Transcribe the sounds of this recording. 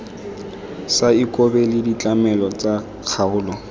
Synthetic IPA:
saikʼɔbɛlɪdit͡ɬʼamɛlɔt͡sa | q͡χʰaʊːlɔ

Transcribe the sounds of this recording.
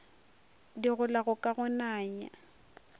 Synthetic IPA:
diɣʊlaɣʊkʼaɣʊnaːɲa̰

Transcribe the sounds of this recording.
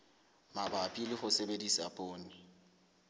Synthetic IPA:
mabapʼilɪχʊsebedisa̰pʼoːnɪ

